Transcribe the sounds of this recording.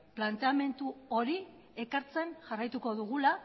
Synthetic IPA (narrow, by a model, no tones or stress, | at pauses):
plant̪e̞ame̞nt̪uoɾi | ekaɾt͡se̞nʝarajt̪uko̞ðuɣula